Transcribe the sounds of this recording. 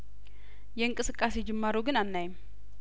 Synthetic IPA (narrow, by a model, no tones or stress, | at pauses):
jɛɨŋkʼɨsɨkʼːased͡ʒɛmːaɾuɡɨnanːajɪm